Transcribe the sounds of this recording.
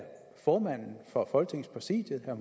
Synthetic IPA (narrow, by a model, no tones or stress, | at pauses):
fɒːmæn̰n̩fɒ̽fɒ̽lɡ̥t͡sʰe̝ŋspʰʁɛsḭːd̥jð̩ˠhæɐm